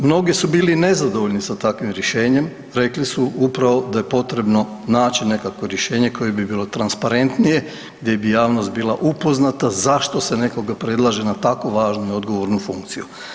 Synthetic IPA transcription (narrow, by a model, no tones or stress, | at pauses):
mno̞ɡisubiːline̞zad̪oʋoʎnisat̪akʋimɾjeʃe̞ːɲe̞m | ɾe̞klisuupɾaʋo̞d̪aje̞po̞t̪ɾe̞bno̞ | naːt͡ɕine̞kako̞ɾjeʃe̞ːɲe̞kʰo̞jebibiːlˠo̞t̪ɾanspaɾe̞nt̪nije̞ | ɡd̪je̞bijaːʋnost̪̚biːlˠaʔupo̞znat̪azaʃt̪o̞sene̞ko̞ɡapɾe̞d̪lˠaʒenat̪ako̞ʋaːʒnuio̞d̪ɡoʋo̞ɾnufuŋkt̪siju